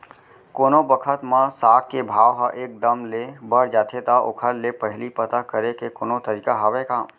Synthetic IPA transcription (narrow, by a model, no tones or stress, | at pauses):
koːnobəkʰət̪mãsaːk̚kebʱaːʋɦaʔeːk̚d̪əmlebəɽd͡ʒaːt̪ʰet̪aʔʊ̰kʰəlːepəɦlipət̪akəɾekekoːnot̪əɾiːkaɦɐʋekaː